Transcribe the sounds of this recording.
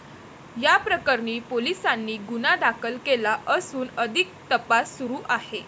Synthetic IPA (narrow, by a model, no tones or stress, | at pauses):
japɾəkəɾɳiːpolisanːiːɡunad̪akʰəlkelaʔəsuːnəd̪ʱik̚t̪əpasːuɾuːʔahe